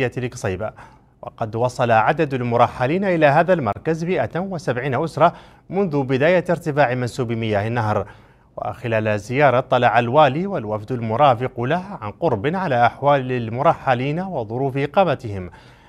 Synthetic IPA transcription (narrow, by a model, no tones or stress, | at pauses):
jalksˤiːba | wʔɑ̰qɑd̪wɑsˤɑlaʕad̪ad̪almʊɾˤɑħːaliːnaʔɪlaːɦaːðalmɑ̰ɾˤkazmɪʔawasabʕiːnaʔʊsɾˤɑ | mʊnðʊbɪd̪aːjaɾt̪ɪfaːʕɪmansuːbmɪjaːhɪnːaɦɾ | wa̰xɪlaːlazɪjɑːɾˤɑt̪ˤːɑlɑːʕalwaːliːwalwafd̪almʊɾˤɑːfɪqlahʕanqʊɾˤbɪnʕalaːʔaħwaːlɪlmʊɾˤɑħːaliːnawɪðˤʊɾuːfʔɪqɑːmat̪ɪhɪm